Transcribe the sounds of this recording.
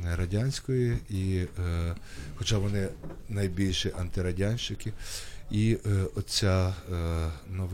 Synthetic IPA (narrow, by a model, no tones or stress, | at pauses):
ɾɐdʲanʲsʲkɔjii | xɔt͡ʃɑʋɔnɪnɐjbʲilʲʃiʔɐnt̪ɪɾɐdʲanʲʃt͡ʃɪkɪiɔt͡sʲa | nɔʋ